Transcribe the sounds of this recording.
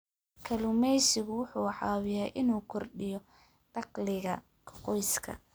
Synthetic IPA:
kʰɐlʊmɛjsɪɣʊwʊħuːħɑːwɪjɛjʔɪnuːkʰɔrɗɪjɔ | d̥ɑqlɪɣɐ | kʰqɔjskʰɐ̰

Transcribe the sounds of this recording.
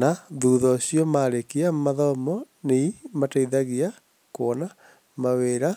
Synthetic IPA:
naðuːðɔɕijɔmaɾekiamaðɔmɔ | neimataiðaɣia | koːna | maweːɾa

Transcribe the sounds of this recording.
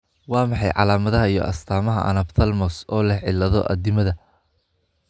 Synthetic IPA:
wɑːmɑħɑjʕɑ̰laːmɐðɐɦɐijɔ̰ʔɐ̰st̪ʰaːmɐɦɐ̰ʔɐ̰nɐbt̪ʰɐlmɔsɔːlɐʕɪlɐðɔ̰ʔɐ̰d̪ɪmɐðɐ

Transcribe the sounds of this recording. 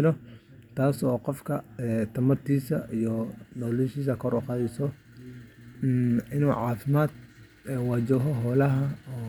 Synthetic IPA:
lɔ | t̪ʰaːsɔːqɔfkʰɐɛt̪ʰɐmɐrt̪ʰiːsɐijɔnɔːlɛʃiːs̬ɐkʰɔɾuːqɑːðɛsɔ | ɪnuːʕaːfɪmaːd̪̚ | ɛwɑːd͡ʒɔɦɔɦɔːlɐɦɐɔː

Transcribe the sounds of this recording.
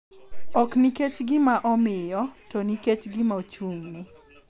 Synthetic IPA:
ɔkniket͡ʃɡɪmaʔɔmɪjɔtoniket͡ʃɡɪmaot͡ʃuŋnɪ

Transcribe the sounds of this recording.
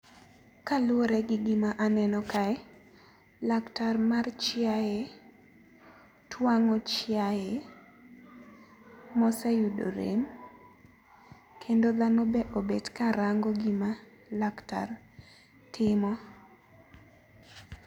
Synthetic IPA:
kalʊoɾɛɡɪɡɪmaʔanɛnɔkaɛ | laktarmart͡ʃjaje | twaŋɔt͡ʃɪjaje | mɔsɛjudo̰ɾḛm | kʰendoðanobɛʔobedkaɾaŋɡɔɡɪma | lakta̰r | tɪmɔ

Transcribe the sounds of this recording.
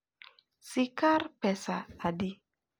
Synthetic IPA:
sikarpɛsaadi

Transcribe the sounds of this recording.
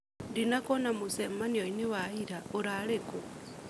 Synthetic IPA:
dinakonamusemanioiniwaiɾauɾaleko

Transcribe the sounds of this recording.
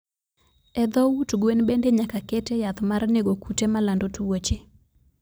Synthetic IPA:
ɛd̪ɔwutɡwenbendeɲakakɛtejat̪marneɡokutemalandotuwot͡ʃe

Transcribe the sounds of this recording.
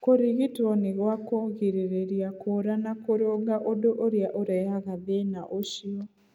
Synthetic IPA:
koɾiɣitɔneɣwakɔɣiɾeɾeɾiakoɾanakoɾoɡaʔodoʔoɾjaʔoɾɛaɣaðenaʔoʃiɔ

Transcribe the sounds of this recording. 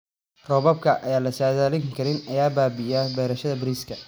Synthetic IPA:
rɔːβɐb̚kʰɐʔɐjaːlɐsaːðaːlɪŋkʰɐɾɪnɐjaːbaːbɪjaːbɛːɾɐʃɐðɐbɾiːskʰɐ

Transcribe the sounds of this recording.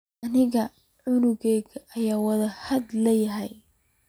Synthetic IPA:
ʔɐnɪɣɐ | ʕʊnʊɣɛːɣɐʔɐjaːwɐðɐhɐd̪lɛjɐɦɛj

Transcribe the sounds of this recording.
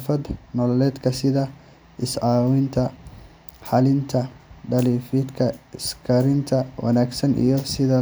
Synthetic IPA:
fɐd̪nɔlɔlɛːd̪kʰɐsɪðɐ | ʔɪsʕɑːwɪnt̪ʰɐ | ħɑlɪnt̪ʰɐɖɐliːfid̪kʰɐɪskʰɐɾɪnt̪ʰɐwɐ̰naːɡsɐnʔḭjɞsɪðɐ

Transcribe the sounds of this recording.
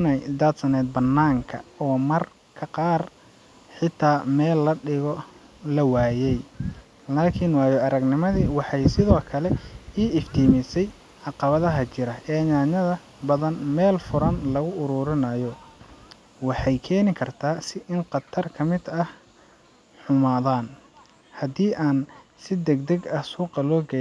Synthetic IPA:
nɛjd̪ɐt̪sɐnɛːd̪̚bɐnːaːŋkʰɐ̰ɔːmɐr | kʰɐqɑːr | ħɪt̪ʰːaːmɛːlːɐɖɪɣɔ | lɐwaːjɛj | laːkʰɪnwɑːjɔʔɐɾɐɡnɪmɐðiːwɑħɑjsɪðɔːkʰɐlɛiːɪft̪ʰiːmɪsɛj | ʕɑqɑβɐðɐɦɐt͡ʃɪɾɐɛːnaːɲɐðɐ | bɐðɐnmɛːlfʊɾɐnlɐɣʊʔʊɾʊːɾɪnɐjɔ | wɑħɑjkʰɛːnɪkʰɐrt̪ʰaːsɪʔɪnqɑt̪ʰɐrkʰɐmɪd̪ɐh | ħʊmaːðaːn | hɐd̪iːʔaːn | sɪd̪ɛɡd̪ɐɡɐhsuːqɐlɔːɡɛ

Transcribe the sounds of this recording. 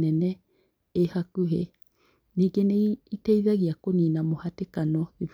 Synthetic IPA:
eneː | hakuɦḛ | niɡeneitejðaɣiakoniːnamohatekanoðip

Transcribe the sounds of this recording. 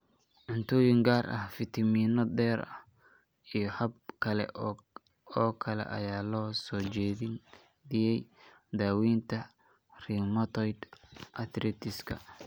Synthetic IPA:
ʕʊnt̪ʰɔːjɪŋɡaːrʔɐ̰hfɪt̪ʰɐmiːnɔd̪ɛːɾɐ̰h | ijɞhɐb̚kʰɐlɛ̰ | ɔːkʰɐlɛ̰ʔɐ̰jaːlɔːsɔːt͡ʃɛːðɪ | ðɪjɛj | d̪aːwiːnt̪ʰɐ | riːmɐt̪ʰɔjd̪ʔɐt̪rɛːt̪ʰɪskʰɐ̰

